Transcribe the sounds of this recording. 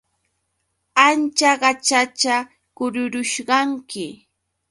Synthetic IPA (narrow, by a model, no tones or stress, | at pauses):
ant͡ʃaɢɑt͡ʃat͡ʃa | kʊɾʊɾʊʃɢɑŋkɪ